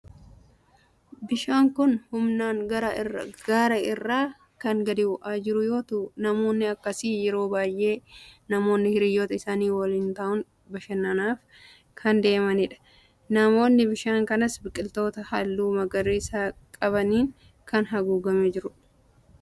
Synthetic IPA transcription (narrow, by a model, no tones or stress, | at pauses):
bɪʃaːŋkʊnhʊmnaːŋɡɐɾɐɡaːɾɐɪrːaː | kɐŋɡɐd̪ɪʊʔaːd͡ʒɪɾʊjo̞ːt̪uːnɐmo̞ːnːɪɐkːɐsiːjɛɾo̞ːbaːjʔe̞ːnɐmo̞ːnːɪhɪɾɪjːoːt̪ɐɪsaːniːwɐlint̪ɐːʔʊŋ | bɐʃɐnːɐnaːf | kʰɐnd̪e̞ːmɐnɪᶑɐ̥ | nɐmo̞ːnːɪbɪʃaːŋkɐnɐsbɪkʼɪlt̪o̞ːt̪ɐhɐlːuːmɐɡɐriːsaːkʼɐβɐniːŋ | kɐnɦɐɡuːɡɐmed͡ʒɪɾʊ